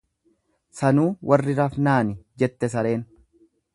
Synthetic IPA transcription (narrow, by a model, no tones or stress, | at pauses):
sɐnuːwʔɐrːɪɾɐfnaːnɪd͡ʒɛt̪ːɛs̬ɐɾe̞ːn